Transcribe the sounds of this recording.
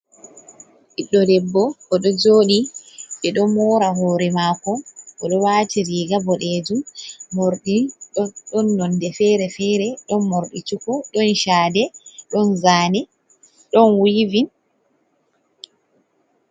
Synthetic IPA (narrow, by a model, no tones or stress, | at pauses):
ʔiɗːɔdɛbːɔkɔɗɔd͡ʒoːɗiɓɛɗɔmɔːɾaɦɔːɾɛmaːkɔʔɔɗɔwaːtiɾiːɡabɔɗeːd͡ʒumoɾɗiɗɔnːɔndɛfɛːɾɛfɛːɾɛɗɔnmoɾɗit͡ʃukɔɗɔnʃaːdɛɗɔnzaːnɛ | ɗɔnwiːvin